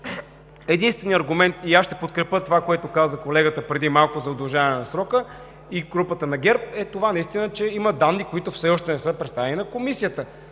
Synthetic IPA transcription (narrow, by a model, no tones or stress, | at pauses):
ɛd̪inst̪vɛnijɐɾɡʊmɛnt̪iaʃʃt̪ɛpot̪kɾɛpət̪ovakoɛt̪ʊkazəkolɛɡət̪əpɾɛd̪imalˠkʊzɐod̪lˠʒavɛnɛnɐsɾɔkə | iɡɾupət̪ənɐɡʲɛɾp̚ɛt̪ovanɐist̪inət͡ʃɛiməd̪anːikoit̪ʊfsɛɔʃt̪ɛnɛsɤpɾɛt̪st̪avɛninɐkomisijət̪ə